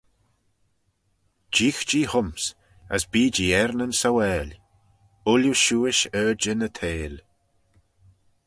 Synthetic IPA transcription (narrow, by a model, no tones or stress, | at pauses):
d͡ʒiːxd͡ʒiːhʊms | ə̰sbiːd͡ʒiːɛɾnənsawɛːlʲ | ʊljuʃuːɪʃəːd͡ʒɪnət̪ʰeːl